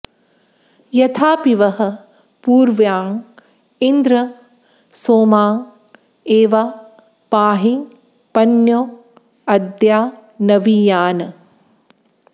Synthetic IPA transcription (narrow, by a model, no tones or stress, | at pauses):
jɐt̪ʰaːpiʋɐɦɐ̆ | puːɾʋjaːŋ | ind̪ɾɐ | soːmaːŋ | eːʋa | paːɦi | pɐnjoː | ɐd̪jaːnɐʋijaːnɐ